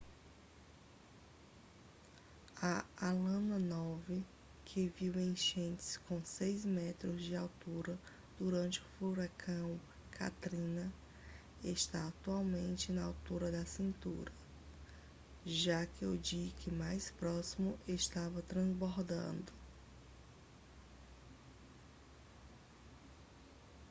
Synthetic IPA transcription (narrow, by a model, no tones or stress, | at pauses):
ɐalɐ̃nɐnɔvɪ | kʰɪviwẽj̃ʃẽnt͡ʃ̪ɪ̥skõsejzmɛt̪ɾʊzd͡ʒɪawt̪uɾɐ | d̪̥uɾɐ̃nt͡ʃɪʊfuɾakʰɐ̃w̃ | kʰa̰t̪ɾĩnɐ | eʃt̪aːt̪uawmẽnt͡ʃɪnɐawt̪uɾɐd̪ɐsĩnt̪ṵɾɐ | ʒakɪʊd͡ʒikɪmajspɾɔsimʊʔeʃt̪avɐt̪ɾɐ̃zboɾd̪ɐ̰̃nd̪ʊ